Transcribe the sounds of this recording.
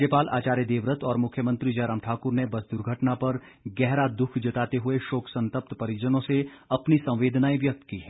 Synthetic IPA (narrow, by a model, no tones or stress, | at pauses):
epaːlʔa̰ːt͡ʃaːɾjəd̪eːʋɾət̪ɔːɾmʊkʰjəmɐ̃nt̪ɾid͡ʒɐɾəːmʈʰaːkʊɾnebɐsd̪ʊɾɡʱəʈnapɐɾ | ɡɛɦɾad̪ʊkʰd͡ʒɐt̪aːt̪eɦʊeʃoːksɐ̃nt̪əp̚t̪pɐɾid͡ʒənõseɐpnisɐ̃w̃ʋeːd̪naːiʋjɐk̚t̪kiɦɛː